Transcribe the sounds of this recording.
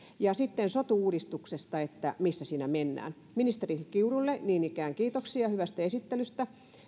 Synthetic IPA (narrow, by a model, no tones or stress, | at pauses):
jɑsit̪ːensot̪uuːdist̪uksest̪ɑet̪ːæmisːæsiːnæmenːæ̰ːn | minist̪erikiurulːeniːnikæːŋkiːt̪oksiɑhyʋæst̪æesit̪ːelyst̪æ